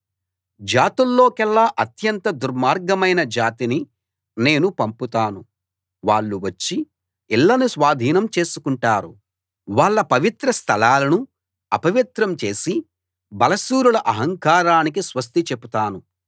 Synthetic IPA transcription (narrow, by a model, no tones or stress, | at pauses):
d͡ʒaːt̪ulːo̞ːkɛɭːaːʔɐt̪jɐnt̪ɐd̪uɾmaːɾɡɐmɐjnɐd͡ʒaːt̪ini | ne̞ːnupɐmput̪aːnu | ʋaːɭːuʋɐt͡ʃːi | iɭːɐnusʋaːd̪ʱiːnɐmt͡ʃe̞ːsukuɳʈaːɾṵ | ʋaːɭːɐpɐʋit̪ɾɐst̪ʰɐlaːlɐnu | ɐpɐʋit̪ɾɐmt͡ʃe̞ːsi | bɐlɐsuːɾulɐʔɐɦɐŋkaːɾaːnik̬isʋɐs̬t̪it͡ʃepːut̪aːnu